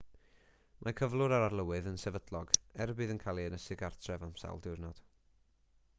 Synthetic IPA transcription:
mʔakʰəvlˠʊɾaɾarlˠəwɨðənsɛvədlˠɔɡɛrbɨðənkʰalˠiənəsɨɡartʰrɛvamsa̰lˠdɪrnɔd̥

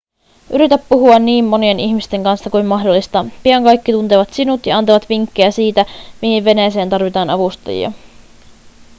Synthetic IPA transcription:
ʔyɾit̪æpːuɦuɑnːiːmːo̞nie̞niçmist̪e̞ŋkɑnsːɑkujmmɑɦdo̞lːist̪ɑpiɑŋkɑjkːit̪unt̪eːʋɑt̪sinut̪jɑɑnt̪oʋɑt̪ʋiŋkːejæsiːt̪æmihiʋʋe̞nejse̞ːnt̪ɑrʋit̪ɑːnɑʋust̪ɑ̰jḭɑ̰

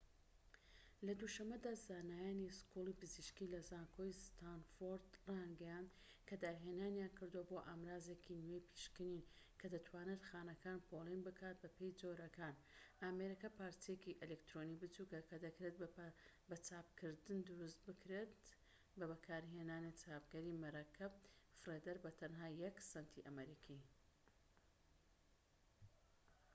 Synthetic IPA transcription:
lɐd̪uʃɐmːɐd̪aːzaːnaːjaːniskulipɨziʃkilɐzaːnkʰojst̪ʰanfoɾd̪ranɡɐjaːnd̪ | kʰɐd̪aɾɦenaːnjaːnkɨɾd̪uwɐbo̞ʔaːmɾaːzekʰinwejpʰi̥ʃkɨninkʰɐd̪ɐt̪ʰwaːnet̪xaːnɐkaːnpʰoːlˠinbɨkʰaːt̪̚bɐpʰe̞jd͡zo̞ɾɐkʰaːn | ameɾikɐpaːɾt̪ʰjekiʔɛlekt̪ɾonibɨt͡sukɐkʰɐd̪ɐkɾet̪ | bɐt͡saːp̚kʰɨɾd̪ɨnd̪ɨɾust̪̚bɨkɾet̪ | bɐbɐkʰaːɾɦeːnaːnɨt͡sʰaːp̚ɡɐɾiːmɐɾakʰɐbfɨred̪ɐɾbɐt̪ʰɐnɦaːjɐksɐnt̪ʰiʔɐmɐɾikʰi

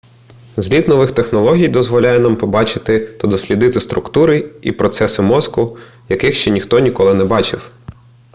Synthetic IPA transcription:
zʲlʲid̪nɔʋɪxt̪exnɔlˠɔɦʲijd̪ɔzʋɔlʲajɛnɑmpɔbɑt͡ʃɪt̪ɪt̪ɐd̪ɔsʲlʲid̪ɪt̪ɪst̪ɾʊkt̪uɾɪḭpɾɔt̪sɛsɪmɔzkʊ | jɐkɪxʃt͡ʃɛnʲixt̪ɔnʲikɔlˠɪnɛbɑt͡ʃɪw

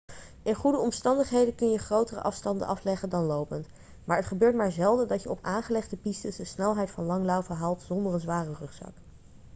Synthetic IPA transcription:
ʔɪnχudəɔmstɑndəχɦejdəkɵnjəχrowtərə̰ʔɑfstɑndə̰ʔɑflɛχəndɑnlowpənt | maːɹɦətχəbøːɹtmaːɹzɛlˠdədɑcjəɔpaːnχəlɛχdəpistəsdəsnɛlˠɦɛjtfɑnlɑŋlɑwvəɦaːlˠtz̥ɔndərənzʋaːrərɵχsɑ̰k

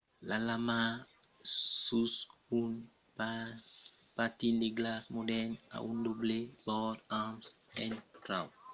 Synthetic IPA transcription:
lalama | susun | pa | patindeɡlasmodɛna̰ʔundoblebɔtamsɛntɾaw

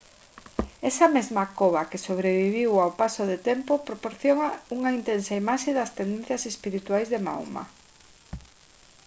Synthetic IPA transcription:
ɛsɐmezmakoβakesoβ̞ɾeβiβ̞iwawpasoðet̪ɛmpopɾopoɾθjoŋauŋaint̪ensaimaʃeðɐst̪end̪ẽnθjɐsespiɾit̪wajzðema̰wma̰

